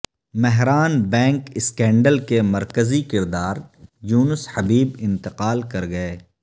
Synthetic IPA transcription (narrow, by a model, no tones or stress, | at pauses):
mɛɦɾaːnbɛ̃ːŋkɪskɛ̃ːɳɖəlkemɐɾkəzikɪɾd̪aːɾjuːnəshɐbiːbɪ̃nt̪ɪqaːlkɐɾɡɐeː